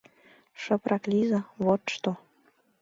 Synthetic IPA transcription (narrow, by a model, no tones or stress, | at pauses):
ʃə̆pɾʔɑklʲizɑβot̪ʃt̪o